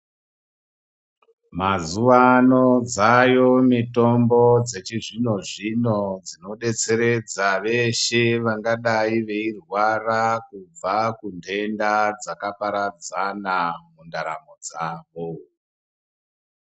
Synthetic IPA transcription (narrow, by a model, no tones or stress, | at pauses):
mazuʋano̞d͡zajo̞mito̞mbo̞d͡ze̞t͡ʃiʐino̞ʐino̞d͡zino̞ɗe̞t͡se̞ɾe̞d͡zaʋe̞ʃeʋaŋɡaɗaiʋe̞irwarakub͡vakunde̞ndad͡zakapaɾad͡zanamundaɾa̰mo̞d͡zaːʋo̞